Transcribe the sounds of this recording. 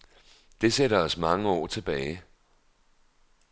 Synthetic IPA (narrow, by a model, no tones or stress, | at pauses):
d̥e̝seɾɐɒ̽smɑ̈ŋəɒ̰ːt͡sʰe̝b̥ɛːɪ